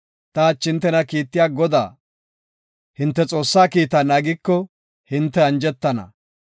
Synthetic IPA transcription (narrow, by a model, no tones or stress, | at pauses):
t̪ɐːt͡ʃːɪnt̪ːɛnɐkiːt̪ːɪjaːɡɔd̪a̰ː | hɪnt̪ːɛt͡sʼo̞ːsːaːkiːt̪anaːɡɪkːɔ | hɪnt̪ːɛɐnd͡ʒɛt̪ːɐnɐ̰